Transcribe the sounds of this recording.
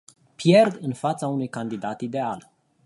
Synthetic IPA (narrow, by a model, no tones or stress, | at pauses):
pje̞rd̪ɨnfat̪saunujkand̪id̪at̪id̪e̞al